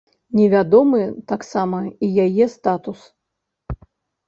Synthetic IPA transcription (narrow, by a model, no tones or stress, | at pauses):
nʲɛvʲad̪ɔmɨt̪aksamɐijajɛst̪at̪us